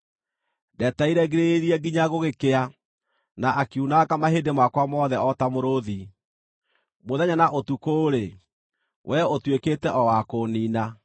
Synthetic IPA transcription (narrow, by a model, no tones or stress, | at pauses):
dɛtaiɾɛɡeɾeɾiɛɡiɲaɣoɣekea | naʔakeunakamaɦeːdemakwamɔːðɛɔtamoɾoði | moðɛɲanaʔotukoːɾe | wʔɛotweketɛʔɔwakoːnina